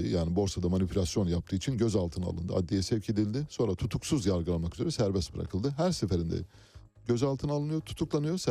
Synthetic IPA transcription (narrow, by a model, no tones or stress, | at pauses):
jaːnibo̞ɾsad̪amanipʰylʲasjo̞njap̚t̪ʰɯːit͡ʃʰinɟøzalˠt̪ʰɯna̰lˠɯ̰nd̪ɯ̰a̰d̪ːijɛsɛvcʰe̞d̪ilʲd̪ɪso̞nɾat̪ʰut̪ʰuksuzjaɾɡɯlˠanmakyze̞ɾɛsæɾbɛsb̥ɯɾa̰kʰɯlˠd̪ɯɦæɾsefeɾind̪ɛ̰ | ɟøzalˠt̪ʰɯnalˠɯnɯjot̪ʰu̥t̪ʰuklˠanɯjos